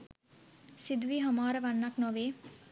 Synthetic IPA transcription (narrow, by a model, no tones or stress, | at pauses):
sid̪ʋiɦɐmaːɾɐʋanːaknoʋeː